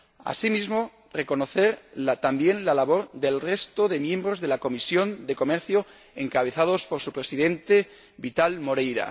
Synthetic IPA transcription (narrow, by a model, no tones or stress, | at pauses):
a̰simizmo | re̞ko̞noθe̞ɾlat̪ambje̞nlalaβo̞ɾðe̞lre̞st̪oðe̞mjẽ̞mbɾozðe̞lako̞misjo̞nd̪e̞ko̞meɾθjo | eŋkaβ̞e̞θað̞o̞spoɾsupɾe̞siðe̞nt̪e̞ | βit̪almo̞ɾejɾa̰